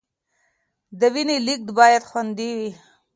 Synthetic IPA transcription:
d̪əwinelik̚d̪bɑːjad̪xwand̪iwi

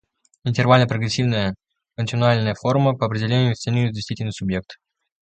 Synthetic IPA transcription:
ɪnʲt̪ʲɪrvalʲnəpɾəɡɾʲɪsʲivnəjə | kəntʲɪnʊalʲnəjəfo̞ɾməpəɐpɾʲɪdʲɪlʲenʲʊfʲt̪senʲijʊt̪d̪ʲɪst̪vitʲɪlʲnɨjsʊbje̞k̚t̪

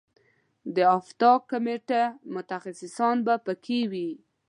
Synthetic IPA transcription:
d̪əaft̪ɑkːameʈemʊt̪axasɪsɑnbapəkʰewi

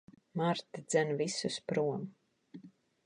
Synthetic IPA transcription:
maɾt̪id̪zænvisuspɾuɔm

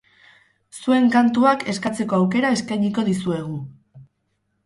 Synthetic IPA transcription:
sue̞ŋkant̪uake̞skat͡se̞ko̞awke̞ɾae̞skajɲiko̞ðisue̞ɣ̞u

